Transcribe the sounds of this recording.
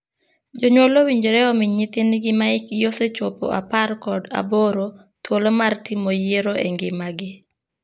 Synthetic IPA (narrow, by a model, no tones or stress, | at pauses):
d͡ʒoɲwolowiɲd͡ʒoɾɛɔmɪɲɪt̪ɪnɡɪmaɪkjoset͡ʃopo̰ʔa̰parkɔda̰boɾo | t̪wolomartimojeɾoḛŋɡɪmaɡɪ